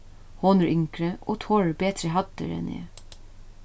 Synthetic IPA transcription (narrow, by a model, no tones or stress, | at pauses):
hoːnəɾʔʏŋkɹəʔoːt̪ʰɔɹbeːt̪ɾəɦɑt̪ə̰ɾɛ̰nḛː